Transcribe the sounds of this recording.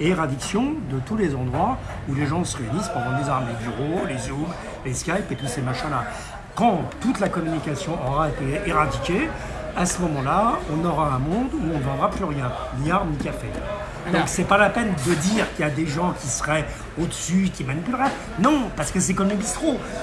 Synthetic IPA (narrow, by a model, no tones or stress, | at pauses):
eʁad̪iksjɔ̃d̪ət̪ulezɑ̃d̪ʁwa | uleʒɑ̃səʁeynispɑ̃d̪ɑ̃lezaʁmlebyʁolezub | leskʲajpet̪usemaʃɛ̃la | kɑ̃t̪ut̪lakɔmynikʲasjɔ̃ʔɔʁaet̪eeʁad̪ikʲe | asəmɔmɑ̃laɔ̃nɔʁaɛ̃mɔ̃d̪uɔ̃nəvɑ̃d̪ʁaplyʁjɛ̃ | niaʁmnikafe | d̪ɔ̃ksɛpalapɛnd̪əd̪iʁkəljad̪eʒɑ̃kʲisə̥ʁɛ | od̪əsykʲimanipylʁɛ | nɔ̃paʁsə̥kəs̬ɛkɔmə̃bist̪χo